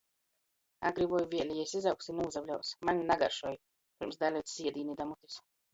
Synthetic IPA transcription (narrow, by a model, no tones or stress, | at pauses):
a̰ɡɾivɔjvʲiɛlʲɛjɛjsizawksinuuzablʲawsmanʲinaɡa̰ɾʃuɔj | piɾmsd̪alʲɛjt̪ːiɛd̪iːnid̪amut̪is